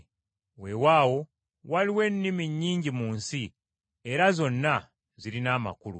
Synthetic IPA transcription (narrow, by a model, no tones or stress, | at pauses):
we̞waːwo̞ | waliwe̞nːimiɲːiːɲɟimuːnsi | e̞ɾazo̞nːa | zilinaːma̰kulṵ